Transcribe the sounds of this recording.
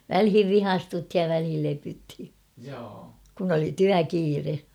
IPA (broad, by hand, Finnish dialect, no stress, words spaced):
ʋælhiʋ ʋihɑstuthij jɑ ʋælhil lepythi kun oli tyækiːre